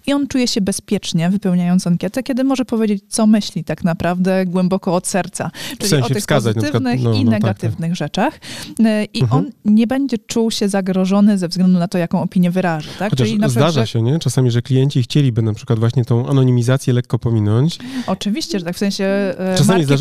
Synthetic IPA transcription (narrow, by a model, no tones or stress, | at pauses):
iɔnt͡ʂujɛɕɛbɛspʲjɛt͡ʂɲɛvɘpɛwɲajɔnt̪aŋkʲjɛt̪ɛkʲɛd̪ɘmɔʐɛpɔvʲjed͡ʑet͡ɕt̪sɔmɘɕlʲit̪aknapɾavd̪ɛɡwɛmbɔkɔːt̪sɛɾt̪sa̰ʈ͡ʂɪlʲiamɔtɕɛfskazat͡ɕnaʂɘknɘninɛɡ̪at̪ɪvnɘɣʐɛt͡ʂax | ʔiɔnɲɛbɛɲd͡ʑɛt͡ʂuwɕɛzaɡɾɔʐɔnɘzɛvzɡlɛnd̪unat̪ɔjakɔ̃w̃ɔpʲiɲjɛvɘɾaʐat̪akɔt͡ɕaʂinazʂd̪aʐaɕɛɲɛt͡ʂasamʲiʐɛklʲijɛɲt͡ɕixt͡ɕelʲibɘnapʂɘ̥kwad̪vwaɕɲɛt̪ɔ̃w̃ʔa̰nɔɲimʲizat̪sʲjɛlɛkːɔpɔmʲinɔɲt͡ɕɔt͡ʂɘvʲiɕt͡ɕɛʐɛt̪akfsɛ̃ɲ̃ɕɛʈ͡ʂasamizd̪a